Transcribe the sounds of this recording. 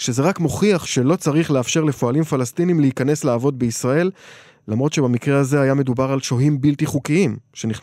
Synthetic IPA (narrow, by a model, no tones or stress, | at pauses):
ʃe̞zeʁakmo̞χiaχʃe̞lo̞t͡saʁiχleafʃe̞ʁle̞fo̞alimfalastinimleikane̞sleavo̞d̪̚beisʁae̞lː | amʁo̞t̪ʃe̞bamikʁeazeajame̞d̪ubaʁalʃoɦimbiltiχukiimʃe̞niχ